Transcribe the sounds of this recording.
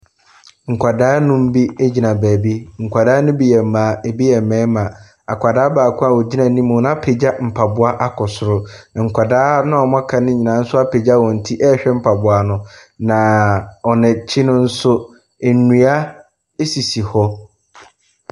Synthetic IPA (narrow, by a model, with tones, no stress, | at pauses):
ŋ̩˨kʷʰa˨daː˦nʊ̃˦m̩˦bi˦e˦d͡ʑi˨nã˨bæː˨bi˦ŋ̩˨kʷʰa˨daː˦nʊ̃˦bi˦˨jɛ˨mːãː˨˦e˨bi˦jɛ˨mɛ̃ː˨˦mã˨ | a˨kʷʰa˨daː˦baː˨kʰʊ̃˦a˨wɔ˨d͡ʑi˦nã˨˦nĩ˦mũ˨n˦ã˦pʰe˨d͡ʑa˦m̩˨pʰa˨bʊ˦a˦ʔa˦kʰɔ˨sʊ˨ɾʊ˦na˨ŋ̩˨kʷa˨daː˦nʊ̃˦˨ɔ˨mã˦kʰa˨nɪ̃˦ɲĩ˨nã˨˦n̩˦sʊ˦a˦pʰe˨d͡ʑa˦˨wɔ̃˨n̩˨tʰi˦ʔɛː˦ɕᶣɛ˦m̩˦pʰa˨bʊ˨a˨nʊ̃˦ | nã˨ɔ˨nɪ̃˨t͡ɕʰi˦nʊ̃˦n̩˦sʊ˦ | e˨nũ˨a˦ | e˦si˨si˨hɔ˦